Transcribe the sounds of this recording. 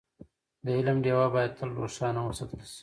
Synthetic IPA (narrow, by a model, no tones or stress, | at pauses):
d̪əɪləmɖewabɑːjad̪̚t̪ʰəlɾo̰ʂɑːnawəsat̪əlsi̥